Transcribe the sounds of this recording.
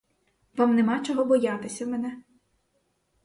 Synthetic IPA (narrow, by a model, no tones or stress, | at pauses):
ʋɑmnemɑt͡ʃɔɦɔbɔjat̪ɪsʲɐmɛnɛ